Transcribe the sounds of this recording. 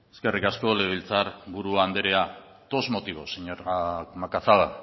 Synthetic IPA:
eske̞rikasko̞le̞β̞ilt͡saɾβuɾuaːnd̪eɾea | t̪o̞zmo̞t̪iβo̞siɲoɾakmakaθaɣa

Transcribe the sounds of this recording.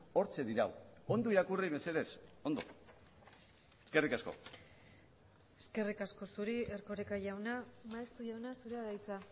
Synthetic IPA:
o̞ɾt͡ʃe̞ðiɾa̰wo̞nd̪oiɾakuriβe̞se̞ðe̞so̞nd̪o̰ | eske̞rikasko̞̰ | eske̞rikasko̞suɾie̞ɾko̞ɾekaʝawnamaest̪uʝawnasuɾeaɾajt͡sa

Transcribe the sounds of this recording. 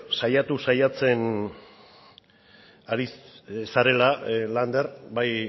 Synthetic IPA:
sajat̪usajat͡se̞n | aɾissaɾe̞laland̪eɾbaj

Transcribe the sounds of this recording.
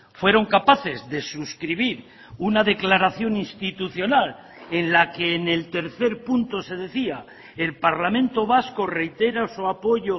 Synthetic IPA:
fwe̞ɾo̞ŋkapaθe̞zðe̞suskɾiβ̞iɾ | unaðe̞klaɾaθjo̞ninst̪it̪uθjo̞nal | e̞nlake̞ːne̞lt̪e̞ɾθe̞ɾpunt̪o̞se̞ðe̞θia | e̞lpaɾlamẽ̞nt̪o̞βasko̞re̞jt̪e̞ɾasuapo̞ʝo̞

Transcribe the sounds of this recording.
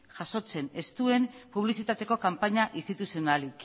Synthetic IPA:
ʝaso̞t͡se̞ne̞st̪ue̞mpuβ̞lisit̪at̪e̞ko̞kampaɲaʔist̪it̪usio̞nalik

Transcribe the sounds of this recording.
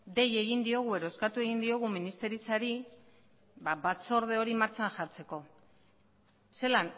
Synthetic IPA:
d̪e̞je̞ɣind̪io̞ɣ̞ue̞ɾooskat̪ue̞ɣ̞ind̪io̞ɣ̞uminist̪e̞ɾit͡saɾi | babat͡so̞ɾð̞e̞o̞ɾimaɾt͡saŋʝaɾt͡se̞ko̞ | se̞lan

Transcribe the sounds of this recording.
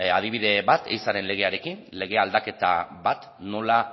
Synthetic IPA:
að̞iβ̞iðe̞βat̪ejsaɾe̞nle̞ɣ̞e̞aɾe̞kinle̞ɣ̞e̞ald̪ake̞t̪a̰βat̪ | no̞la

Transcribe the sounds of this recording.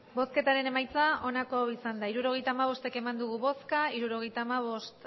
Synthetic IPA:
bo̞ske̞t̪aɾe̞ne̞majt͡sao̞nako̞isand̪aiɾuɾo̞ɣ̞e̞jt̪aːmaβ̞o̞st̪e̞ke̞mand̪uɣ̞uβo̞skaiɾuɾo̞ɣe̞jt̪aːmaβ̞o̞st̪

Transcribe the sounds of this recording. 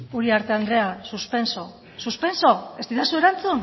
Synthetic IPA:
uɾiaɾt̪e̞and̪ɾe̞asuspe̞nso | suspe̞nso̞e̞st̪it̪asue̞ɾant͡sun

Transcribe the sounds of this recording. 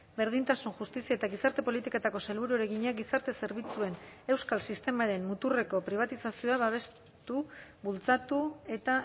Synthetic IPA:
be̞ɾð̞int̪asunʝust̪isiaet̪aɣisaɾt̪e̞po̞lit̪iket̪ako̞se̞lβuɾueɾe̞ɣiɲaɡisaɾt̪e̞se̞ɾβ̞it͡sue̞ne̞wskalsist̪e̞maɾe̞mmut̪ure̞ko̞pɾiβat̪isasio̞aβaβ̞e̞s | t̪uβult͡sat̪ue̞t̪a

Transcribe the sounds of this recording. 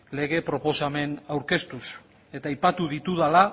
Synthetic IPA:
le̞ɣ̞e̞pɾo̞po̞same̞nawɾke̞st̪us | e̞t̪aːjpat̪uðit̪uðala

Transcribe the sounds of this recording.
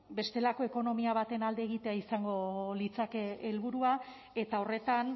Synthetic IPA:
be̞st̪e̞lako̞e̞ko̞no̞miaβ̞at̪e̞nald̪e̞ːɣ̞it̪e̞aisaŋɡo̞lit͡sakeːlβuɾua | e̞t̪ao̞re̞t̪an

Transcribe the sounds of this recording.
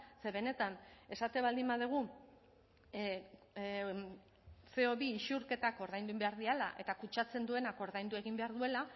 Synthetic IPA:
se̞βe̞ne̞t̪ane̞sat̪e̞βald̪imbaðeɣ̞u | se̞oβiːʃuɾke̞t̪ako̞ɾðajnd̪uimbe̞aɾðiala̰ʔe̞t̪akut͡ʃat͡se̞nd̪ue̞nako̞ɾðajnd̪ue̞ɣimbe̞aɾðue̞la

